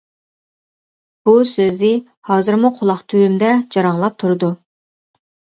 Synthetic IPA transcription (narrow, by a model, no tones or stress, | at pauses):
b̥usøzɪ | hɑːzɨɾmuqʰʊlˠɑχt̪ʰywymd̪ɛd͡ʒɑɾɑŋlˠɑp̚t̪ʰuɾɨd̪u